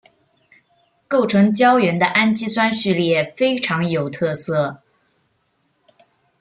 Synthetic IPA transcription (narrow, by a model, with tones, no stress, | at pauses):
ko˥˩ʊʈ͡ʂʰɤ˧˥ŋt͡ɕjɑ˥ʊɥɛ˧˥nd̪ə˧ʔa˥nt͡ɕi˥swa˥nɕy˥˧ljɛ˥˩fe˥ɪʈ͡ʂʰɑ˧˥ŋjo˨˩ʊt̪ʰɤ˥˧sɤ˥˩